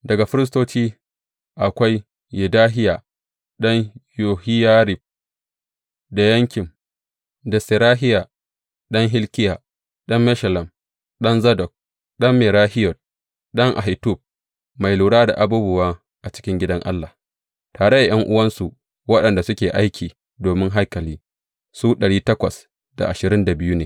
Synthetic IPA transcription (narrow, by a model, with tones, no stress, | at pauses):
dɐ˨ɡa˨ɸɪ˦ɾɪ˦s̬toː˦t͡ʃiː˦ | ʔa˨kʷa˦j | jɪ˨daː˦ɦɪ˦ja˨ | ɗɐ˦ɲjoː˨hɪ˦jaː˦ɾɪ˨b̚ | da˨jɐ˦ŋkʲɪ˨m | da˨sɪ˨ɾaː˦ɦɪ˦ja˨ | ɗɐ˦ŋɦɪ˦lkʲɪ˦ja˨ | ɗɐ˦mːɛ˦ʃɐ˨lɐ˨m | ɗɐ˦nzɐ˦dɔ˨k̚ | ɗɐ˦mːɪ˨ɾaː˦hɪ˦jɔ˨t̚ | ɗɐ˦ŋʔa̰˨ɦi˨tu˦˨b̚ | ma˨jluː˨ɽaː˦da̰˨ʔa˨buː˦bʊ˨waː˦ | ʔa˨t͡ʃɪ̥˦kʲɪ˦ŋɡʲɪ˦dɐ˦ŋʔa̰˦lːa˨ | taː˨ɽe˦da˨j̰ɐ˦ŋʔʊ˦wɐ˦nsu˨ | wɐ˦ɗɐ˨nda˨sʊ˦kʲeː˨ʔa˦jkʲʰiː˨ | doː˨mɪ˦ŋɦa˦jkɐ˨liː˦ | suː˦ɗɐ˨ɽiː˦tɐ˦kʷɐ˨s | da̰˨ʔa˨ʃɪ˨ɾɪ˦nda˨bɪ˦juː˦neː˨